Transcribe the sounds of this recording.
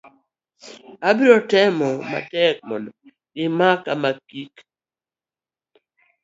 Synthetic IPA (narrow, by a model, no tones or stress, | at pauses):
abɪɾɔtɛmɔma̰tɛk̚mɔ̰ndɔ | ɡɪmakamakik